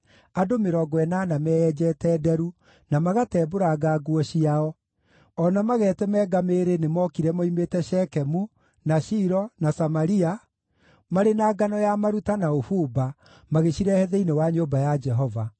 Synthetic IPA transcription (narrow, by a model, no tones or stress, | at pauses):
adomeɾɔɡɔɛnanamɛɛd͡ʒɛtɛːdɛɾu | namaɣatɛːboɾaɡaɡwɔɕiaɔ | ɔnamaɣɛːtɛmɛːɡameɾenemɔkiɾɛmɔimetɛʃɛkɛmu | naʃiɾɔnasamaɾia | maɾenaːɡanɔjamaɾutanaofuba | maɣeɕiɾɛhɛðɛinewaɲobajad͡ʒɛɦɔva